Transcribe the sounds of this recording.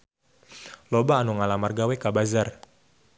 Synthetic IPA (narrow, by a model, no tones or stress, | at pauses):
lobaːnuŋalamarɡawekabazar